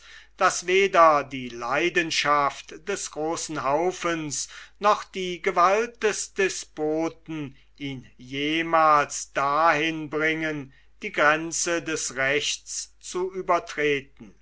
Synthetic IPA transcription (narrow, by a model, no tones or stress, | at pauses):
d̥asveːdɐdiːlaɪdənʃaftd̥ɛsɡ̥ʁoːsn̩ɦaʊfənsnɔχd̥iːɡəvalt̚d̥ɛsd̥ɛsb̥oːtn̩ | iːnjeːmaːlsd̥ahɪnbʁɪŋən | d̥iːɡʁɛnt͡sədɛsʁɛçt͡st͡suyːbɐtʁ̥eːtn̩